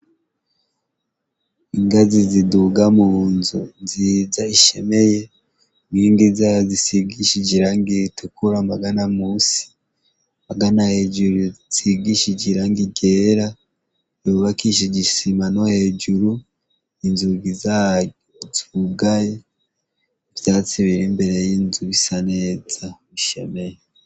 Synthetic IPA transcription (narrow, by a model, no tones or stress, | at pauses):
iŋɡaziziduɡamunzunzizaiʃe̞meje | miːŋɡizazisiɡiʃid͡ʒiɾaŋɡitʰukuɾambaɡanamusi̥ | mbaɡanahe̞ːd͡ʒuɾuz̥iɡiʃid͡ʒiɾaŋɡiɟeːɾa | juβakiʃ̬iɟisimanohe̞d͡ʒuɾu | inzuɡizaːjoziuɡaje | vjaːt͡siβiɾimbe̞ɾe̞jinzuβisane̞ːz̥a | iʃe̞me̞je